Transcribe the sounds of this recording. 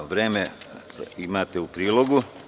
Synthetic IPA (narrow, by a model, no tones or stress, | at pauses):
ʋɾeːme | imaːt̪eupɾiːlo̞ɡu